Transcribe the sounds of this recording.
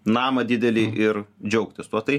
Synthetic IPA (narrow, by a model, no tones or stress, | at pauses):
nɑːmɐd̪ʲɪd̪ʲɛlʲɪʔɪɾd͡ʒʲɛʊkt̪ʲɪst̪uɔt̪ɐɪ